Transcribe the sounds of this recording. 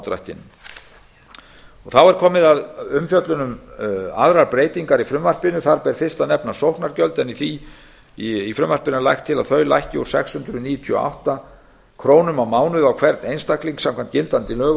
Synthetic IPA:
t̪ɾa̰jht̪ɪ̰nʏm | ɔɣθawɛɾ̥kʰɔːmɪðaðʏmfjœt̪lʏnʏma̰ðɾaɾpɾeːjt̪iŋkaɾifɾʏmvar̥pɪnʏθaɾpɛɾ̥fɪ̥st̪anɛpnasowhknaɾcœlt̪ɛniθi | ifɾʏmvar̥pɪnʏlajxt̪ʰːɪlaðθœːɥla̰jhcɪuɾ̥sɛkshʏnt̪ɾʏniːjʏt̪ʰyʏɔ̰a̰wht̪a | kʰɾoːwnʏmawmaːwnʏðawkʰvɛɾt̪nejnst̪akliŋksãmkʰancɪlt̪ant̪ɪlœːɣ

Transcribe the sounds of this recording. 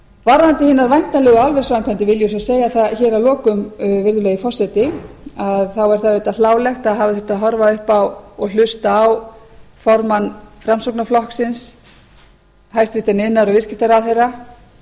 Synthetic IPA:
vaɾðant̪ɪhɪːnːaɾvajn̥t̪nalɛːɣʏalvɛ̥svajnkʰvant̪ɪvɪljʏsɔseːjaθaçɛːɾawlɔːkʏmvɪɾðʏlɛɣjifɔr̥sɛt̪ɪaðθawaɾ̥θaveːt̪alaːwlɛxt̪aðɦaːvɪθʏ̥t̪aðɦɔɾvaʏhpawɔɣl̥ʏst̪aw | fɔɾmanːfɾamsɔwknaflɔhksɪns | ɦajst̪vɪht̪anɪnːaɾɔɣvɪscɪft̪aɾawθejrːa

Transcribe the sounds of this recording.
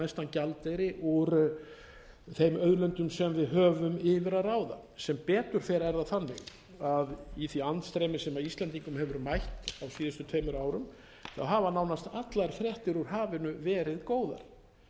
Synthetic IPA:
ɛst̪ancalt̪ejɾɪʔuɾ | θejmœðlœnt̪ʏmsɛmvɪðɦœːvʏmɪːvɪɾaðraːwða̰ | sɛmpɛːt̪ʏɾ̥θɛɾɛɾðaθanːɪ | aðiθviant̪st̪ɾejmɪsɛmaist̪lɛnt̪iŋkʏmhɛvʏɾmajht̪awsiːðʏst̪ʏt̪ʰeːjmʏɾaːwɾʏm | θawɦaːvanaːwnast̪at̪laɾ̥fɾjɛht̪ɪɾuɾ̥ɦaːvɪnʏvɛːɾɪðkoːwða̰ɾ̥

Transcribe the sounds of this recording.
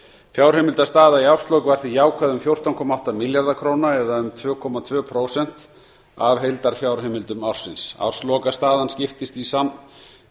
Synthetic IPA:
fjawɾ̥hemɪlt̪ast̪aːðaiawrst̪lowkvaɾ̥θijaːwkʰaðʏmfjowr̥t̪awnkʰɔːmaawht̪amɪljaɾðakʰɾoːwnaɛðaʏmt̪ʰvœːkʰɔmat̪ʰvœːpʰɾoːwsɛn̥t̪ | avɦejlt̪aɾ̥fjawɾ̥ɦemɪlt̪ʏmawr̥sɪnsa̰wr̥slɔkast̪aːðanscɪft̪ɪst̪isan

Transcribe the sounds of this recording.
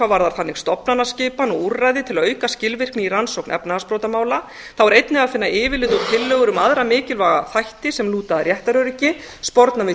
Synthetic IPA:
avaɾðaɾ̥θanːɪɣst̪ɔpnanascɪːpanɔɣurrːajðɪt̪ʰɪlaœɥkascɪlvɪr̥knɪiransowknʔɛ̰pnaaspɾowt̪amaːwla | θawvaɾejt̪nɪafɪnːaɪːvɪlɪːðʏt̪ʰɪlːœːɣʏɾʏmaðɾamɪːcɪlvaɣa̰θajht̪ɪsɛmluːt̪aðaɾjɛht̪aɾœɾɪcɪ | spɔɾt̪navɪ

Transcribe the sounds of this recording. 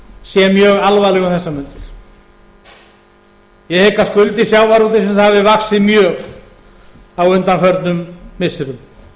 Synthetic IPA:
sjɛmjœːɣalvaːlɛɣanθɛsːamʏnt̪ɪɾ̥ | jɛhekːaskʏlt̪ɪsjaːwvaɾuːt̪̬ɪsɛmavɪvaksɪðmjœːɣ | awʏnt̪anfœɾt̪nʏmːɪsɪɾʏm

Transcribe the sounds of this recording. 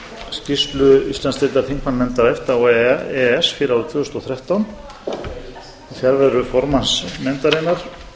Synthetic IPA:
scist̪lʏist̪anseːt̪aɾθiŋkmanmɛnt̪aɾɛft̪awɛɛɛsfiːɾɪawɾʏt̪ʰvʏːʏst̪ɔθɾɛht̪awn | iθjɛɾvɛðɾʏfɔɾmansmɛnt̪aɾenaɾ̥

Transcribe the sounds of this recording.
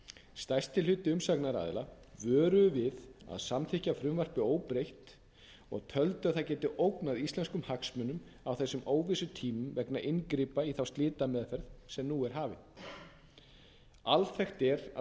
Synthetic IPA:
st̪ajst̪ʰɪlʏːt̪ɪʏmsaknaɾa̰ðɪ̰la | vœːɾʏvɪða̰ðsamθʰɪhcafɾʏmvar̥pɪoːwpɾejht̪ | ɔ̰ɣt̪ʰœlt̪ʏaðθaðcɛːt̪ɪʔowknaðist̪lɛnskʏmhaksmœnʏm | awθɛsːʏmoːwvɪsʏt̪ʰiːmʏmvɛknaʔɪnkɾɪːpaiθawst̪lɪːt̪amɛðfɛɾðsɛmnuːɛɾ̥ɦaːvɪ | alθɛxt̪ɛɾa̰

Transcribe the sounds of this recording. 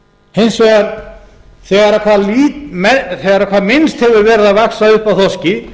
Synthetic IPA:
hejnsvɛɣaɾ | θɛɣaɾakʰvaːðliːt̪mɛθɛɣaɾakʰaːðmɪnst̪hɛvʏɾvɛːɾɪðaðvaksaʏhpawθɔscɪ

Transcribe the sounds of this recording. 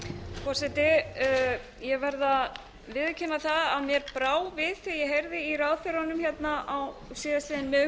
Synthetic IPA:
fɔɾ̥sɛt̪ɪ | jɛɣvɛɾða | vɪðcʰɪnːaθaðaðmjɛɾpɾaːwvɪðθijɛɦejɾðɪiraːðfœɾanʏmçjɛt̪naʔawsiːðaslɪːðɪnmœ

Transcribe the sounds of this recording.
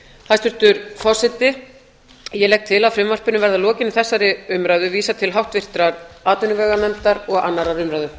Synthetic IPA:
θast̪ʏɾ̥t̪ʏɾfɔ̥sɪt̪ɪ | jɛlɛk̚t̪ʰɪlaðfɾɪmvar̥pɪnʏmvɛɾðalɔːcɪnɪθɛsːaɾɪʏmɾaːjðʏviːsat̪ʰɪlɦawht̪vɪr̥t̪ɾaɾaːt̪ʏnʏvɛːɣanɛmt̪aɾɔɣanːaɾaɾʏmɾajðʏ

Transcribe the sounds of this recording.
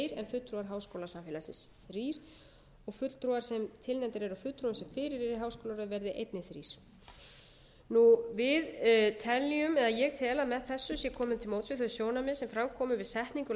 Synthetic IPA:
ɾɛnfʏt̪ːɾuaɾɦaːwskowlasamfɪːlasɪ̰nsθɾiːɾ̥ | ɔɣfʏt̪l̥t̪ɾuɣaɾ̥sɛmt̪ʰɪlnɛnt̪ɪɾɛɾafʏt̪ːɾuʏmsɛmfɪːɾɪɾɛɾɪɾɦawskowlaɾʏðvɛɾðɪʔḛjt̪nɪθɾḭːɾ̥ | nuvɪðt̪ʰɛlːiʏmɛðajɛɣt̪ʰɛːlamɛðθɛsːʏsjɛkʰɔːmʏt̪ʰɪlmoːwt̪fvɪθʏsjoːwnamɪsɛmfɾamkʰɔːmʏvɪðsɛht̪niŋkʏ

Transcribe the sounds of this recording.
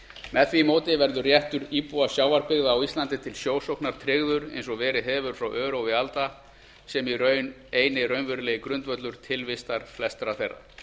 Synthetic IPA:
mɛðfimoːwt̪ɪvɛɾðʏrjɛht̪ʏɾiːpuasjaːwvaɾpɪɣðaːwist̪lant̪ɪt̪ʰɪlsjoːwsowknaɾ̥t̪ʰɾɪɣðʏɾḛjnsɔɣvɛːɾɪɦɛvʏɾ̥fɾawʔœːɾowɪalt̪a | sɛmirœ | eːjnɪrœːɥnvʏɾʏleːjɪkɾʏnt̪vœt̪lʏɾ̥t̪ʰɪlvɪst̪aɾ̥flɛst̪ɾaθejrːa̰

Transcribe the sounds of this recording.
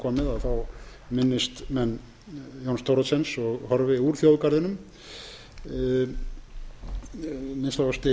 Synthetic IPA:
kʰɔmɪðaðθaw | mɪnːɪst̪mɛnː | jownst̪ʰowɾɔt̪sɛnsɔɣhɔɾvɪuɾ̥θjowðkaɾðɪnʏm | mɪnst̪avast̪ɪ

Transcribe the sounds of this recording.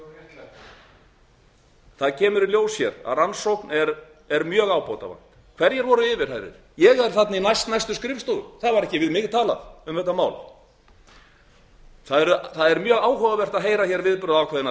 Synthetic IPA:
θaðcʰɛːmʏɾɪljoːwsjɛ̰ɾa̰ðransowknɛɾ | ɛɾmjœːɣaːwpowt̪a̰va̰n̥t̪ | kʰv̥ɛɾjɛɾvɔːɾʏɪːvɪɾ̥hajɾɪ̰ɾ̥jɛɣɛɾ̥θat̪nainajst̪najst̪ʏskɾɪfst̪oɣʏɾθaðvaɾɛhcɪvɪðmɪːkɪ̥t̪ʰaːla̰ðʏmθɛt̪ːamaːwl | θaðɛɾʏθaðɛɾmjœːɣaːwɦɔɣavɛr̥t̪aðɦejɾaçɛɾvɪðpɾʏðawkʰvɛðɪn

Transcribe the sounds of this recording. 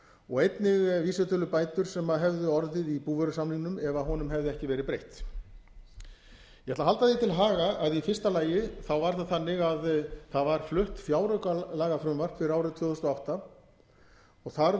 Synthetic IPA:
ɔɣejt̪nɪɣviːsɛt̪œlʏpaːjt̪ʏɾ̥sɛmaðɦɛvðʏɔɾðɪðipuːvœɾʏsamliŋnʏmɛvaɦɔnʏmɦɛvðʏɛhcɪvɛːɾɪpɾejht̪ | jɛt̪laɦalt̪aðɪt̪ʰɪlɦaːɣaaðifɪr̥st̪alaːjɪθawvaɾ̥θaðθanːɪɣaðθaðvaɾ̥flʏht̪fjaːwɾœkalaːɣafɾʏmvar̥t̪fɪɾɪɾaːwɾɪðt̪ʰvœːðɔst̪ɔawht̪a | ɔɣθaɾ

